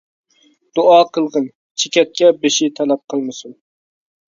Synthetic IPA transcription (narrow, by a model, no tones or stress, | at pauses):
d̪̥uɑːqʰəlˠʁən | t͡ʃʰekʲɛt̪̚kʲɛbeʃɪt̪ʰɛlɛp̚qʰəlˠmɨsun